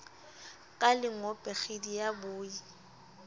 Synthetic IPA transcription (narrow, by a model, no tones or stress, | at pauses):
kʼalɪŋ̩ɔpʼɛχedijabʊːi